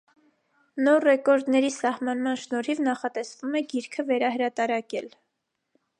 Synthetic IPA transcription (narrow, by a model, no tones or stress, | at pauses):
nɔɾrɛkɔɾd̪nɛɾisɑhmɑnmɑnʃnɔɾivnɑχɑt̪ɛsvumɛɡiɾkʰəvɛɾɑɦəɾɑt̪ɑɾɑkɛl